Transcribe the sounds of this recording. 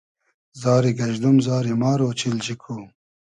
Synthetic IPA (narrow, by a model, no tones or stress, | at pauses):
zɑːɾiɡɐʒd̪umzɑːɾimɑːɾoːt͡ɕʰild͡ʑikʰuː